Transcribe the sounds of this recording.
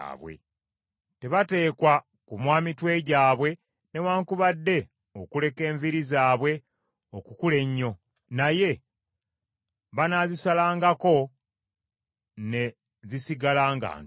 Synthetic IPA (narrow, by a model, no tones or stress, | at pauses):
aβwḛ | te̞βate̞ːkwa | kumwaːmitwe̞ːɟaːβwe̞ | ne̞waːŋkuβadːe̞ | o̞kule̞ke̞ːɱviɾizaːβwe̞ | okukule̞ɲːo̞ | naje̞ | βanazisalaːŋɡako̞ | ne̞ | zisiɡalaːŋɡa̰ːn